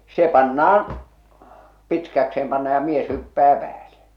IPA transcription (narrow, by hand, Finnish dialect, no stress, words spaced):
se pɑnːɑɑn pitkækseem pɑnːɑ jɑ mies hypːæː pæːle̥